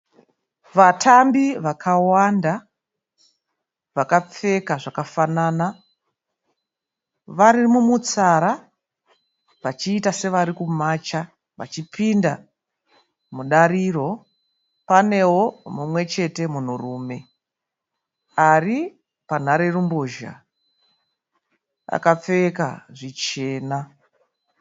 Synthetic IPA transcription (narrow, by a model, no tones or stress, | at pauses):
ʋatʰambiʋakʰawanda | ʋakap͡fe̞kaʐakafanana | ʋaɾimumut͡saɾa | ʋat͡ʃiːtase̞ʋaɾikumaːt͡ʃa | ʋa̰t͡ʃipinda | muɗaɾiːro̞ | pane̞wo̞mumwe̞t͡ʃe̞te̞mun̤uruːme̞ | ari | pan̤aɾe̞rumboʒa̰ | a̰kap͡feka̰ʐit͡ʃe̞ːna